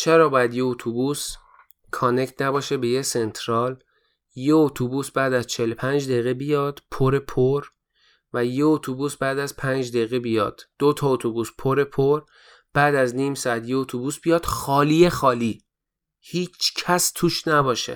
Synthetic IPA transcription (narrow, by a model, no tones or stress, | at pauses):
t͡ʃʰeɾɒːbɒːjæd̪jeot̪ʰubuːs | kʰonect̪ʰnæbɒːʃebejese̞nt̪ʰɾɒːl | jeot̪ʰubuːsbæːd̪æzt͡ʃʰelopʰænd͡ʒd̪eɣebijɒːd̪̥pʰoɾepʰoɾ | væjeot̪ʰubuːsbæːd̪æzpʰænd͡ʒd̪eɣebijɒ̰ːd̪̥ːot̪ʰɒːot̪ʰobuːspʰoɾe̞pʰoɾ | b̥æːd̪æzniːmsɒæt̪jeot̪ʰobuːsb̥ijɒːd̪̥xɒːlijexɒːliː | hiːt͡ʃʰcʰæst̪ʰuːʃnæbɒːʃḛ